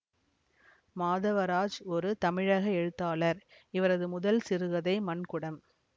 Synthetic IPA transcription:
maːðɐʋɐɾaːd͡ʒɔɾɯt̪ɐmɪɻɐɣɐɛɻɯt̪ːaːlɐɾ | ɪʋɐɾɐðɯmʊðɐlsɪɾɯʋɐðɐɪmɐnkʊɽɐm

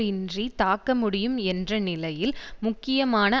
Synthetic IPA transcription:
ɪndrit̪aːkːɐmʊɽɪjɯmɛndrɐnɪlɐjɪlmʊkːɪjɐmaːnɐ

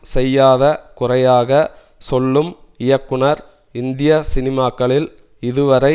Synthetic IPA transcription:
sɛjːaːðɐkʊrɐjaːɣɐ | sɔlːɯmɪjɐkːɯɳɐɾ | ɪnd̪ɪjɐsɪnɪmaːkːɐɭɪl | ɪðɯʋɐɾɐɪ

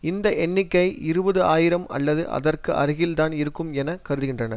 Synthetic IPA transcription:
ɪnd̪ɐʔɛnːɪkːɐɪʔɪɾɯbɐðɯaːjɪɾɐmɐ̰lːɐðɯʔɐ̰ðɐrkɯʔɐ̰ɾɯɣɪlt̪aːnɪɾɯkːɯmɛnɐkɐɾɯðɯɣɪndrɐnɐ

